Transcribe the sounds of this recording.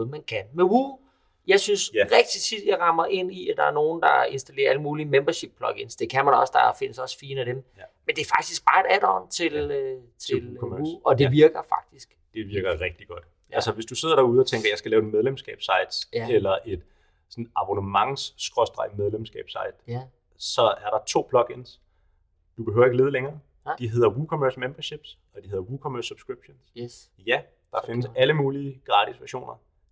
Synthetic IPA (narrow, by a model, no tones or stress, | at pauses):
noð̩ˠmænkʰænmeuː | jɑ̈ɪsynsʁɛɡ̥̚d̥it͡sʰid̥jɑ̈ɪʁɑ̈mɐʔe̝n̰iæd̥ɑ̈æɐno̝ːn̩d̥ɑ̈e̝nsd̥æle̝̰ːɐæləmuːlimemb̥ɐɕib̥̚pʰlɒ̽ɡ̥e̝nsd̥e̝kʰæmænɒ̽sd̥ɑ̈fe̝n̰əsɒ̽sfiːnəæd̥emmend̥e̝ɐfɑ̈ɡ̥̚d̥isɡ̥̚b̥ɑ̈ːe̝d̥æd̥ɒ̰ːnt͡sʰe̝l | t͡sʰe̝luɒ̽d̥e̝ʋiɐɡ̥ɐfɑ̈ɡ̥̚d̥isɡ̥d̥e̝ʋiɐɡ̥ɐʁɛɡ̥̚d̥iɡ̥ɒ̽d̥ | ælsəʋe̝sd̥use̝ð̞ˠɐɾ̥ɑːuð̞̩ˠɒt͡sʰeŋɡ̥ɐjɑ̈ɪsɡ̥ælɛːʊe̝dmeð̞ˠlemsɡ̥ɛ̰ːb̥sɑ̈ɪd̥selɐʔe̝d̥ | sɒ̽nɑ̈b̥o̝nəmɑ̈ŋsːɡ̥ʁɔ̽sd̥ʁɑ̈ɪmeðˠlemsɡ̥ɛ̰ːb̥sɑ̈ɪd̥ | sɒ̽æɐɾɑ̈t͡sʰo̝̰ːb̥ʰlɒ̽ɡ̥e̝ns | d̥ub̥e̝hø̰ʊɐe̝ɡəle̝ːðˠəleŋɐː | d̥iɦe̝ð̰ˠɐwukʰo̽møɐsmemb̥ɐɕe̝b̥s | ɒ̽d̥iheðˠɐukʰɒ̽møɐsːub̥sɡ̥ʁib̥ɕons | jæ | d̥ɑ̈fe̝nəsæləmuːliəɡ̥ʁɑ̈ːd̥ʰisʋæɐɕo̝̰ːnɐ